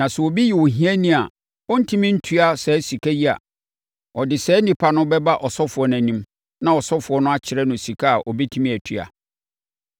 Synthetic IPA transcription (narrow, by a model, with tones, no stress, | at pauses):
nã˨sɛ˨ɔ˨bi˦ji˨wo˨ɦĩ˦æ˦nĩ˦a̰˨ | wɔ˦n̩˦tʰĩ˦mɪ̃˦n̩˦tʰu˦a˨sɛ˨˦si˨kʰa˦ji˦a̰˨ | ɔ˨dɪ˨sɛː˨˦nĩ˨pʰa˨nʊ̃˦bɛ˦ba˦ʔɔ˨sɔ˦fʊ˨ɔ˨˦n˨æ̃˨nĩ˦m | nã˦˨ɔ˨sɔ˦fʊ˨ɔ˦nʊ̃˦a˦t͡ɕʰɪ˨ɾɛ˦nʊ̃˨si˨kʰa˦a˨ʔɔ˨bi˦tʰĩ˦mĩ˦æ˨tʰɥa̰˨